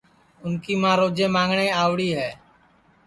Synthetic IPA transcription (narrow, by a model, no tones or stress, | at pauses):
ʊnkiːmãːɾoːd͡ʒẽːmãːŋɡɳaiːaːʋɽiːɦɛː